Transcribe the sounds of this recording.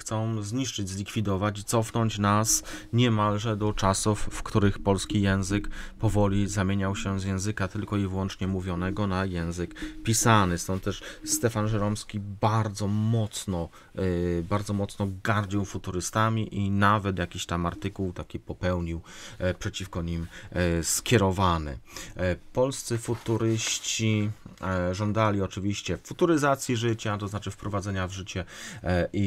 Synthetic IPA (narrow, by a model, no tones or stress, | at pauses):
t̪sɔ̃w̃zɲiʂt͡ʂɘd͡ʑʲzlʲikfʲid̪ɔvat͡ɕit̪sɔfnɔɲt͡ɕnasɲɛmalʐɛd̪ɔt͡ʂasufːkt̪uɾɘxpɔlskʲijɛ̃w̃zɘkpɔvɔlʲizamʲjeɲawɕɛzjɛ̃w̃zɘkat̪ɘlkɔivwɔnt͡ʂɲɛmuvʲjɔnɛɡɔnajɛ̃w̃zɘkpʲisanɘst̪ɔnt̪̚t̪ːɛʂst̪ɛfanʐɛɾɔmskʲibaɾd̪zɔmɔt̪snɔ | baɾd̪zɔmɔt̪snɔɡaɾd͡ʑiwfut̪uɾɘst̪amʲiʔinavɛt̪jakʲiɕt̪amaɾt̪ɘkuwt̪akʲipɔpɛwɲiwpʂɛt͡ɕifkɔɲimskʲjɛɾɔvanɘ̰ | pɔlst̪sɘfut̪uɾɘɕt͡ɕi | ʐɔnd̪alʲiɔt͡ʂɘvʲiɕt͡ɕɛffut̪uɾɘzat̪sʲjiʐɘt͡ɕat̪ɔznat͡ʂɘfpɾɔvad̪zɛɲavʐɘt͡ɕɛʔi